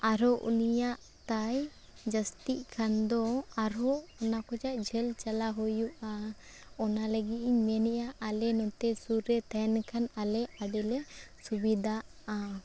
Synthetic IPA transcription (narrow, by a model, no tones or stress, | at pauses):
aɾɔʔṵnijaʔ | t̪aj | d͡ʒəst̪iʔkʰand̪ɔaɾɔʔɔnakɔd͡ʒaʔ̚d͡ʒʱɛlt͡ʃalaɦujuʔaɔnaləɡit̪̚iɲmɛnɛʔaʔalɛnɔt̪ɛsuɾɛt̪ɛnkʰanalɛʔaɖɛlɛsubid̪ʱaʔa